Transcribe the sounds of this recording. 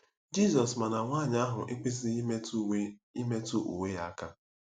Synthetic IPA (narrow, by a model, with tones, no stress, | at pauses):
d͡ʒi˦˨zɔ˨sma˨na˨ŋʷaː˦˨ɲa˦ɦʊ˨ʔɪ˦k͡pɪ˦z̬i˦me˦tu˦e˦i˦me˦tu˦ʔṵ˨we˦ja˦a˦ka˦